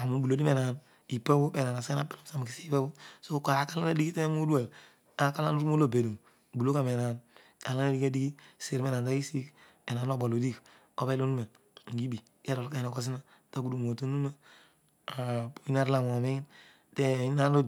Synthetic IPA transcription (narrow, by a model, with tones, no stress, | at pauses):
a˨mu˨bu˨lo˨˦di˦me˨na˨n | i˨pa˦bu˦be˨na˨na˨se˦na˦pi˦lo˦msa˨m˨ki˨si˦pa˦bu˦so˦ka˨ɾa˦ka˦la˦na˦di˦ɡi˦ti˦me˦mu˦du˦e˨l | a˦ka˦la̰˦nu˦ɾmo˦lo˦˨be˨du˨ | bu˨lo˦ka˨me˨na˨n | ka˨la˦na˦di˦ka˦di˦ɡi˦se˨ɾme˦na˨nta˦ki˦si˦k | ɛ˨na˨no˦˨bo˨lo˨di˦k | o˦be˦lu˦nu˦me˨ | ŋ̩˨ɡi˦bi˨ | ke˦do˨lka˦i˨na˨ko˦s̬i˦na˦ | ta˦ku˦du˨mo˨tu˦nu˦na˦ | a˨pu˨i˦na˦ɾla˨m˨me˦i˦n | te˦i˦na˦n˦o˦